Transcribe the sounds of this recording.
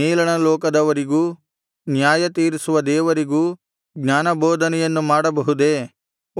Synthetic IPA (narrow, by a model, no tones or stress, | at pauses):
eːlɐɳɐlɔːkɐd̪ɐʋɐɾiɡuː | njaːjɐt̪iːɾisuʋɐd̪ɛːʋɐɾiɡuː | ɡɲaːnɐbɔːd̪ʱɐnɛjɐnːumaːɽɐbɐɦud̪e̞ː